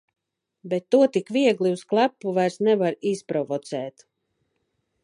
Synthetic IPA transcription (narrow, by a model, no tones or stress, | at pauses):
bɛt̪ːuɔt̪ikviɛɡlˠiusklˠapːuvajɾsnɛvaɾispɾɔvɔt̪sɛːt̪